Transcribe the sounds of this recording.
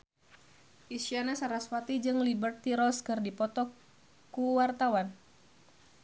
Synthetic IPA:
ʔisianasaɾaswat̪id͡ʒɨŋlibərt̪iɾɔlskərdipɔt̪ɔ | kuwart̪awan

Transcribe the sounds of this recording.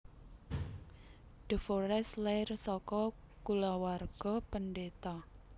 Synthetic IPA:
ɖ̥ə̤foɾɛslɛrsɔkɔ | kulawarɡ̥ɔpənɖet̪a

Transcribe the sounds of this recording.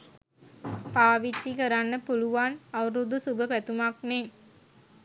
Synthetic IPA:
paːʋit͡ʃːikɐɾanːəpoluʋaːnɐʋɾud̪usubəpɛt̪umakneː

